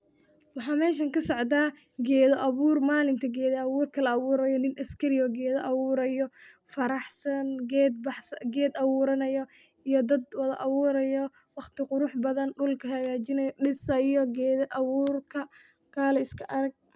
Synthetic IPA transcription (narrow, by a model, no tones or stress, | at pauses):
wɑħɑːmɛːʃ̬ɐŋkʰɐsɔʕd̪aː | ɡɛːðɔʔɐβuːrmaːlɪnt̪ʰɐɡɛːðɔɑβuːrkʰɐlɐɑβuːɾɐjɔnɪnʔɐskʰɐɾɪɔɡɛːðɔʔɐβuːɾɐjɔ | fɐɾɑħsɐnɡɛːd̪̚bɑħsɐɡɛːd̪ɐβuːɾɐnɐjɔ | ijɔd̪ɐd̪wɐðɐʔɑβuːɾɐjɔ | wɑχt̪ʰɪqʊɾʊħbɐðɐnɖʊlkʰɐhɐɣaːt͡ʃɪnɐjɖɪsɐjɔɡɛːðɔʔɑβuːrkʰɐ | kʰaːlɛɪskʰɐʔɐɾɐɡ̚